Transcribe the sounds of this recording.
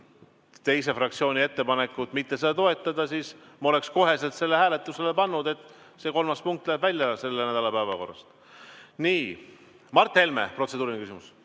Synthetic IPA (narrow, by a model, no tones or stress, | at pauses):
t̪e̞jse̞frɑkt̪sio̞ːnʲie̞t̪ːe̞pɑne̞kːˑut̪mit̪ːe̞sed̪ɑt̪o̞e̞t̪ːˑɑd̪ɑsis | mo̞le̞ksko̞ɦe̞se̞lt̪se̞lːe̞hæːle̞t̪ːˑuse̞le̞pɑnːud̪̥e̞t̪ːˑ | se̞ːko̞lmɑspuŋk̚t̪ːˑlæːbvælʲjɑse̞lːenæd̪ɑlɑpævɑko̞rːɑ̰st̪ | niː | mɑrt̪ːˑe̞lme̞̰prot̪sed̪uːɾinekysimus